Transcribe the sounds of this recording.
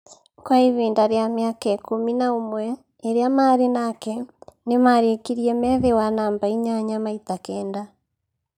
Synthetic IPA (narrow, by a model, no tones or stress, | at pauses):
kwaiβiːndaɾjamjakaekominaomwɛ | eɾjamaɾenakɛnemaɾekiɾiɛmɛðewanaːmbaiɲaɲamaitakɛːnda